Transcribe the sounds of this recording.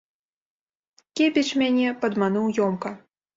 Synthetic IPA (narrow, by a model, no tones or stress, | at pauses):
kʲepʲɛt͡ʃmʲanʲɛpɐd̪manuwjɔmkɐ